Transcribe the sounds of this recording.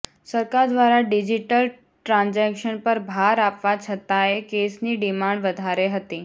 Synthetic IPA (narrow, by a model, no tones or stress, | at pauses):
səɾkaɾd̪ʋaɾaɖid͡ʑiʈəl | ʈɾãnd͡zɛkʃənpəɾbʱaɾapʋat͡ʃʰət̪ajekesniːɖimãɳɖʋəd̪ʱaɾeɦət̪iː